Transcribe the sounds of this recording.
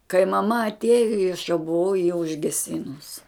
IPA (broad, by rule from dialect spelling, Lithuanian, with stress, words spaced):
kɐɪ mɐˈmɐ ɐtʲˈeːjoː ɪ ɐʃ jɛʊ bʊˈʋɐʊ jɪ ʊʒʲɡʲɛˈsʲɪnʊs